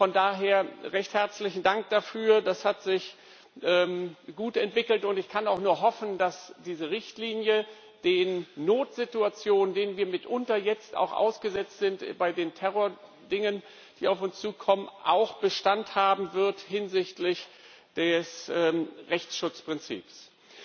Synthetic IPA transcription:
fɔndaːɦeːɐʁɛçthɛɐt͡slɪçn̩daŋk̚d̥afyːɐdashatz̥ɪç | ʔɛːmɡ̥uːtɛntv̥ɪkl̩tʊntɪçkʰanaʊxnuːɐɦɔfn̩d̥asd̥iːzəʁɪçtliːnjə | d̥eːnːoːtz̥ɪtuat͡sjoːnəndeːnənviːɐmɪtʔʊntɐjɛt͡sta̰ʊxʔa̰ʊsɡ̥əzɛt͡stz̥ɪntb̥aɪdeːntʰɛʁoːɐ | dɪŋən | d̥iːaʊfʊnst͡suːkʰɔmənʔa̰ʊxb̥əʃtanthaːbm̩vɪɐthɪnzɪçtlɪç | d̥ɛsʔɛːʁɛçt͡sʃʊt͡spʁ̥ɪnt͡sḭːps

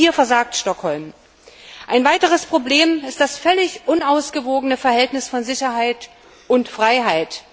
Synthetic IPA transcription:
iːɐfɛɐzaːk̚tʃtɔkhɔlm | ʔaɪnvaɪtəʁ̞əspʁ̥obleːmɪstd̥asfœlɪçʔʊnaʊsɡ̥əvoːɡənəfɛɐhɦɛltnɪsfɔnzɪçɐɦaɪt | ʔʊntfʁ̥aɪɦaɪt

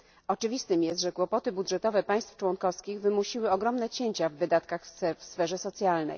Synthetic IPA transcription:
ɔt͡ʂɘvʲist̪ɘmjɛst̪ʐɛkwɔpɔt̪ɘbud̪ʐɛt̪ɔvɛpaj̃st̪ft͡ʂwɔŋkɔfskʲiɣvɘmuɕiwɘɔɡɾɔmnɛt͡ɕeɲt͡ɕavːɘd̪at̪kaxfsfɛʐɛsɔt̪sʲjalnɛ̰j

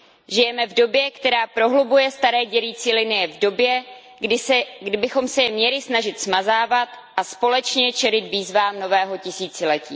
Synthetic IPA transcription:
ʒɪjɛmɛvdo̞bjɛkt̪ɛɾaːpɾo̞ɦlubujɛst̪aɾɛːɟɛɾiːt͡siːlɪnɪjɛvdo̞bjɛ | ɪɡdɪbɪxo̞msɛjɛmɲɛlɪsnaʒɪt̪smazaːvat̪ | ʔaspo̞lɛt͡ʃɲɛt͡ʃɛɾɪt̪viːzvaːmno̞vɛːɦo̞cɪsiːt͡sɪlɛciː

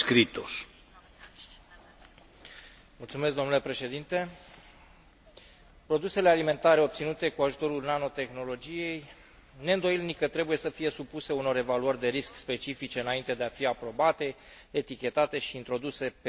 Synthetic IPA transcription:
kɾit̪oʃ | mult̪sumes̬kd̪o̞mnulepɾe̞ʃe̞d̪int̪e̞ | pɾo̞d̪use̞le̞alime̞nt̪aɾe̞o̞p̚t̪sinut̪e̞kuaʒut̪o̞ɾulnano̞t̪e̞xno̞lo̞d͡ʒije̞j | ne̞ɨnd̪o̞jilnikət̪ɾe̞buje̞səfije̞supuse̞uno̞ɾe̞valuərʲd̪e̞ɾiskspe̞t͡ʃifit͡ʃe̞ɨnaint̪e̞d̪e̞afiapɾo̞bat̪e̞et̪ikʲe̞t̪at̪e̞ʃiːnt̪ɾo̞d̪use̞p

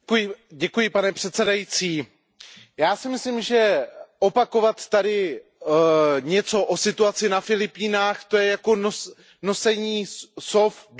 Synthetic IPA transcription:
kujɪɟɛkujɪpanɛpr̥ɛt̪sɛdajit͡siː | jaːsɪmɪslimʒɛʔo̞pako̞vat̪ːadɪ | ɲɛt͡so̞ʔo̞sɪt̪uat͡sɪnafɪlɪpiːnaːxt̪o̞jɛjako̞nos | no̞sɛɲiːsofd

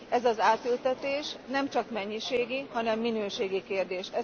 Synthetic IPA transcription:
ɛzɒzaːt̪ylt̪ɛt̪eːʃnɛmt͡ʃɒkmɛɲːiʃeːɡihɒnɛmːinøːʃeːɡikeːrd̪eːʃɛ

